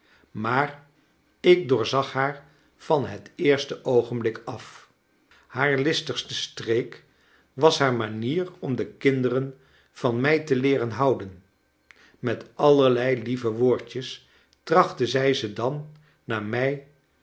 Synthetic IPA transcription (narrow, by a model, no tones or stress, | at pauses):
maːr | ɪk̚dʊːɹzɑχhaːɹ | v̥ɑnɦətɪːɹstəʔowχənblɪkɑf | haːɹlɪstəχstəstrejk | ʋɑsɦaːɹmaniːrɔmdəkɪndərən | v̥ɑnmɛjtəlɪːrənɦɑwdən | mɛtʔɑləɹlɛjlivəʋoːɹtəs | trɑχtəzɛjzədɑnː | aːmɛj